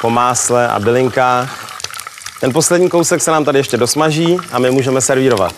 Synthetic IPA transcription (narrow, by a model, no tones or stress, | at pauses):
po̞maːslɛʔa̰bɪlɪŋkaːx | t̪ɛnp̬o̞slɛdɲiːko̞wsɛksɛnaːmt̪adɪjɛʃcɛdo̞smaʒiːʔamɪmuːʒɛmɛsɛɾviːɾo̞va̰t̪